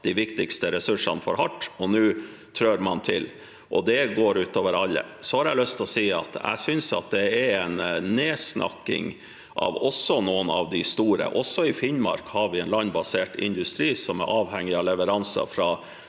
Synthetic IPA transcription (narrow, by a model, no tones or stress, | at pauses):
d̪iʋɪkt̪ɪkst̪əɾɛsʉʂɑ̰nfɔ̰ɾhɑʈːɔnʉː | t̪ʰɾøːɾmɑnt̪ʰɪl | ʔɔd̪ɛɡoːɾʉːt̪oːʋəɾɑlːə̰sɔhɑɾjæɪlœst̪ʰɔsiːɑ̰t̪æ̰sʏnsɑ̰t̪̚d̪ɛɛɛnneːsnʔɑ̰kːɪ̰ŋ | ʔɑ̰ʋɔsːɔnoːənɑ̰ʋd̪ɪst̪uːɾə̰ʔɔsːɔɪfɪnmɑ̰ɾkhɑɾʋɪɛɪnlɑnbɑseːʈɪ̰nd̪ʉst̪ɾiːsɔmɛ̰ɾʔɑːʋɦɛŋːɪɑlɛʋəɾɑnsɑ̰fɾɑ